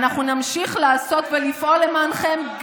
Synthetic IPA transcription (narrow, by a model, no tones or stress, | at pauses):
naχnunamʃiχlaːso̞t̪velifʔo̞lːe̞manχe̞mɡ